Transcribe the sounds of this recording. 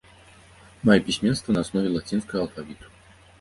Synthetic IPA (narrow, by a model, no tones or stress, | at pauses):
majɛpʲisʲmʲɛnst̪vɐnɐasnɔvʲɛlˠat͡sʲinskəɣəɐlˠfavʲit̪u̥